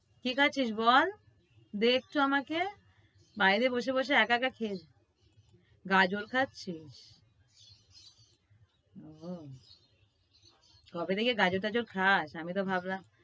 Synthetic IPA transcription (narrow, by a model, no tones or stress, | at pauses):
kikʰatːɕʰiʃbɔl | d̪ek̚ʰt̪uamake | bajɾeboʃeboʃ̬eɛkakakʰeɾ | ɡad͡ʑoɾkʰatːɕʰiʃ | o | ɡʱɔbed̪ekeɡad͡ʑoɾt̪ad͡ʑoɾkʰaʃamit̪obʱabla